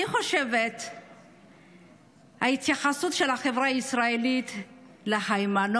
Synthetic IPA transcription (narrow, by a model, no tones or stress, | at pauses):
iχo̞ʃevet̪ | hahit̪jaχasutʃelhaχevʁaaisʁaelit̪ | lehajman